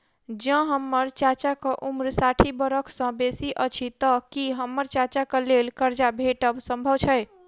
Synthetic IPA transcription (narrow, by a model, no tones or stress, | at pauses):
d͡ʒə̃ɦəmːəɾt͡ʃat͡ʃakəʔumɾsaʈʰibəɾəkʰsə̃besiʔət͡ʃʰit̪əkiɦəmːəɾt͡ʃat͡ʃakəlelkəɾd͡ʒabʱeʈəbsə̃mbʱəwt͡ʃʰəj